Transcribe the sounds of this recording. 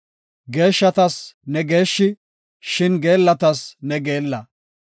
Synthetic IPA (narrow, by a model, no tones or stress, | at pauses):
ɡe̞ːʃːɐt̪ɐsnɛɡe̞ːʃːɪ | ʃɪnɡe̞ːlːɐt̪ɐsnɛɡe̞ːlːɐ